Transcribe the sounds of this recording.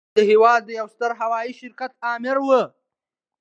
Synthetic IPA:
əɦewɑd̪ːəjawst̪əɾɦawɑjiʃɪɾkat̪̚ɑːmɪɾwə

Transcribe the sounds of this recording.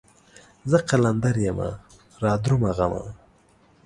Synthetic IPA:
zəqaland̪aɾjama̰ | ɾɑːd̪ɾumaɣama̰

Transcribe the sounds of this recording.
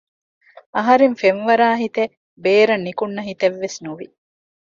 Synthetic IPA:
ɐɦɐɾeɱfenʋɐɾaːɦit̪e | beːɾɐnːikunːɐɦit̪eʋːesnuʋḭ

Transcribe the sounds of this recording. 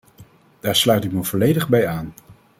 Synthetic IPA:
d̥aːɹslœɥtɪk̚məv̥ɔlejdəχbɛjaːn

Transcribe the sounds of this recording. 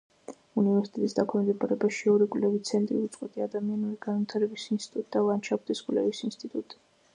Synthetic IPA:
univɛɾsi̥t̪ʼɛt̪ʼisd̪akʰmɛmd̪ɛpʰʼaɾɛbaʃiɔɾikʼlɛvit̪sʰɛnt̪ʼɾḭut̪sʼqʼwɛt̪ʼiad̪amianuɾiɡanvit̪ʰaɾɛbisinst̪ʼi̥t̪ʼut̪ʼd̪avant͡ʃʰapʰd̪iskʼwlɛ̰visinst̪ʼit̪ʼut̪ʼi̥

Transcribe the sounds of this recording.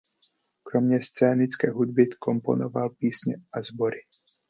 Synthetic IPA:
kɾomɲɛst͡sɛːnɪt͡skɛːɦud̪̚bɪkompo̰novalpiːsɲɛ̰ʔazboɾɪ

